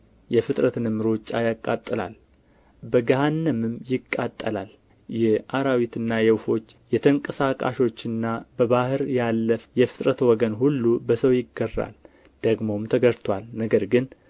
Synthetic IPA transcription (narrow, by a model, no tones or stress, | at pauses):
jɛfɨt̪ʼɾət̪nɨmɨɾot͡ʃʼːajakʼːat̪ʼːɨla̰l | bəɡahanːəmɨmjɪkʼːat̪ʼːəlal | jɛhʔaɾawit̪ɨnːajɛwfo̞t͡ʃːjɛt̪ʰəŋkʼəsakʼa̰ʃo̞t͡ʃːɨnːabəβahɨɾjalːəfjɛfɨ̥t̪ʼɾət̪wɔɡənɦulːubəsəwjɪɡːərːa̰l | d̪̥əɡmo̞mt̪ʰəɡəɾt̪ʰwalnəɡəɾɡɨn